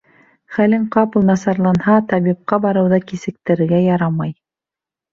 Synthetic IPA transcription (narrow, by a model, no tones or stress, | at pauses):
χælɘŋqɑpɤ̆lˠnɑsɑɾlˠɑnhɑt̪ɑβip̚qɑbɑɾɤ̆wðɤkisɘ̆k̚t̪ɘ̆ɾɘ̆ɡæjɑɾɑmɑj